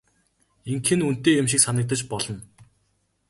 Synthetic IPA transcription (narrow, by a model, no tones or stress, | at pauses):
iŋkʰɘ̆nun̥t̪eːjʊmʃ̬iksanə̆k̚t̪ə̆t͡ɕpɔɮɞ̆n